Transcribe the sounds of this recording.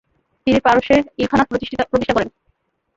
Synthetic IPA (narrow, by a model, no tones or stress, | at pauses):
t̪iniɾpaɾoʃeɾilkʰanat̪̚pɾot̪ipɾot̪iʃʈʰakɔɾen